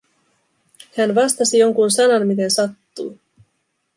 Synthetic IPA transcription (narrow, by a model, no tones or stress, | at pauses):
hænʋɑst̪ɑsijo̞ŋkunsɑnɑnmit̪e̞nsɑt̪ːuː